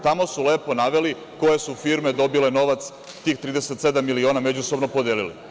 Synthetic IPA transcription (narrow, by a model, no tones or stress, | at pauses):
t̪amo̞sule̞ːpo̞naʋe̞li | ko̞je̞sufiːɾmed̪o̞bile̞no̞ʋat̪s | t̪iːxt̪ɾiːd̪e̞set̪se̞d̪amːilio̞ːnamed͡ʑuso̞bno̞po̞d̪eːlilḭ